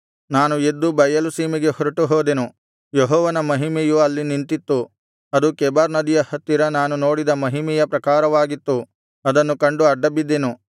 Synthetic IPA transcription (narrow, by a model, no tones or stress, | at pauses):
naːnued̪ːubɐjɐlusiːmiɡe̞hɔɾiʈuɦoːd̪enu | jeɦɔːʋɐnɐmɐɦimejuɐlːinint̪it̪ːu | ɐd̪ukɛːbaːɾnɐd̪ijɐhɐt̪ːiɾɐnaːnuno̞ːɽid̪ɐmɐɦimɛjɐpɾɐkaːɾɐʋaːɡit̪ːu | ɐd̪ɐnːukɐɳɖuɐɖːɐbid̪ːenu